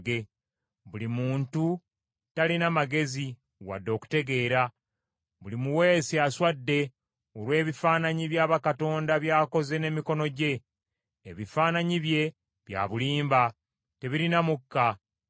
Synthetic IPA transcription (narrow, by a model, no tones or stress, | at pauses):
ɡe̞ | βulimuːntu | talinamaɡe̞zi | wa̰dːo̞ːku̥te̞ɡe̞ːɾa | βulimuwe̞ːsiaswadːe̞ | olwe̞ːβifaːnaɲiβjaːβakato̞ːndaβjaːko̞ze̞ne̞miko̞no̞ɟe̞ː | βifaːnaɲiβje̞ | βja̰ːβuliːmba | te̞βiɾinamukːa